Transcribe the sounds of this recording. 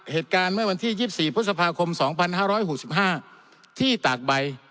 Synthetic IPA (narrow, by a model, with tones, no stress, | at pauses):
heː˨˩t̪̚kaː˧nmɯ˥˩ɐwa˧nt̪ʰiː˥˩jiː˥˩p̚siː˨˩pʰɾu˦˥t̪̚sa˧pʰaː˧kʰo˧msɔː˩˦ŋpʰa˧nhaː˥˩ɾɔː˦˥jho˨˩si˨˩p̚ɦaː˥˩ | t̪ʰiː˥˩t̪aː˨˩k̚ba˧j